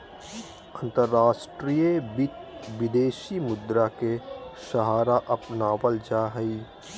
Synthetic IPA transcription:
ə̃nt̪əɾːaːʃʈɾiːebɪt̪ʋɪd̪eːʃimʊd̪ɾakeʃɐɦaːɾaʔɐpnaːwəld͡ʒaɦɐiː

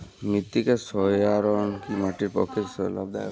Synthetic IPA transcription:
mit̪ːikesɔjaɾɔnkimaʈiɾpɔ̰kʰiɾsɔla̰bd̪a̰j

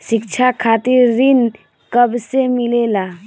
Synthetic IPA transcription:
ʃɪkt͡ʃʰakʰaːt̪iɾːɪn | kəbsemɪlelaː

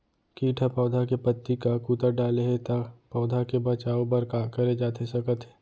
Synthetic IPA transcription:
kiːʈʰapɔːd̪ʱakepət̪ːikakuːt̪əɾɖaːleɦet̪apɔːd̪ʱakebɐt͡ʃaːopɐɾkaːkɐɾed͡ʒaːt̪esɐkət̪ɦeː

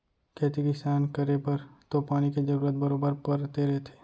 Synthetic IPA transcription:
kʰeːt̪iɡɪsaːnkɐɾepɐɾt̪opaːñiked͡ʒɐɾuːɾət̪̚bɐɾoːbəɾpɐɾt̪eɾɐɦet̪ʰe̥ː

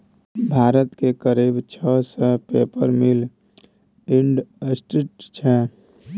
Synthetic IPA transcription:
bʱaːɾət̪kekəɾibt͡ʃʰəsəpepəɾmil | iɳɖsʈiʈt͡ʃʰɛ

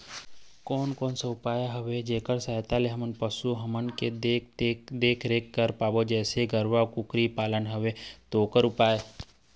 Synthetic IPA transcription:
kɔːnkɔːnseʊpaːjaɦəʋed͡ʒeːkəɾsaːjt̪aleɦɐmənpəsuɦɐmənked | d̪eːkʰɾeːkːəɾpaːbod͡ʒɛːseɡəɾʋakʊkɾipaːlənɦəʋet̪oːkəɾʊpaːe

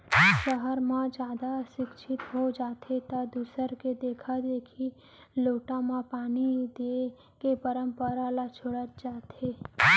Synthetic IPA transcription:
ʃəɦəɾmãd͡ʒad̪aʃɪkʃʰit̪ɦod͡ʒat̪ʰet̪ad̪usəɾked̪ekʰad̪ekʰi | loʈamãpanid̪e | kepəɾəmpəɾalat͡ʃʰoɽət̪̚d͡ʒat̪ʰe

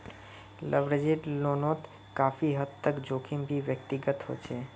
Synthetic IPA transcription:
lʔəbɾəd͡ʒiɖlonot̪ | kaːpʰiɦəd̪t̪ːəkd͡ʒoːkʰimbʱiʋjək̚t̪iɡət̪ɦo̰t͡ʃʰe

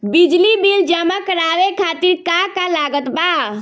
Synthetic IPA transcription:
bid͡ʒlibild͡ʒəmakəɾaʋekʰat̪iɾkakalaɡət̪ba

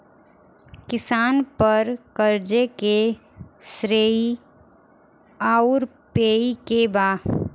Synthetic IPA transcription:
kɪsaːnpəɾkəɾd͡ʒeke | sɾeːi | aːʊɾ | peːikebaː

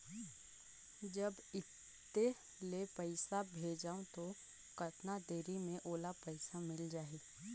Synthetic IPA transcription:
d͡ʒəb | ɪt̪ː | e | lepəɪsabʱeːd͡ʒaːõt̪o | kəʈnad̪eːɾimẽʔoːlapɛɪsamɪld͡ʒaːiː

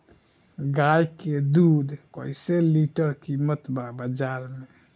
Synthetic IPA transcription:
ɡajked̪ud̪ʱkɔ̰jseliʈəɾkimət̪babəd͡ʒaɾme

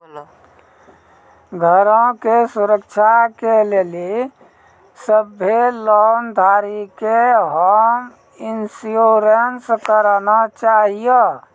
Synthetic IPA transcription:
ɡʱəɾõkesuɾəkt͡ʃʰakeleːli | səbelɔnd̪ʱaːɾikeɦəm | insjoɾenskəɾnat͡ʃaːɦijə

